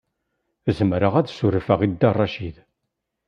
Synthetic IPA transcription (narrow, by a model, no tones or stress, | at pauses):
zəmɾəʁæðsuɾfəʁid̪ːɑrˤːɑʃið